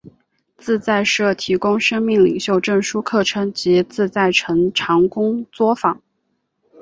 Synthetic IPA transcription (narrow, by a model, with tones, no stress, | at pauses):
t͡sɹ̩˥˧t͡sa˥˧ɪʂɤ˥˩t̪ʰi˧˥kʊ˥ŋʂɤ˥ŋmi˥˩ŋli˨˩ŋɕjo˥˧ʊʈ͡ʂɤ˥˩ŋʂu˥kʰɤ˥˩ʈ͡ʂʰɤ˧˥ŋt͡ɕi˧˥t͡sɹ̩˥˧t͡sa˥˩ɪʈ͡ʂʰɤ˧˥ŋʈ͡ʂʰɑ˧˥ŋkʊ˥ŋt͡swɔ˥fɑ˨˩˦ŋ